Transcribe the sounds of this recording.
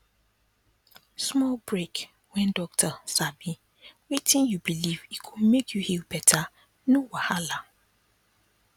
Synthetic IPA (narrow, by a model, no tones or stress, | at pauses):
smɔlbɹek | wɛ̃ndɔk̚tʰəsabi | wetɪ̃njubilivikʰudmekʰjuhilbɛtʰa | nowahala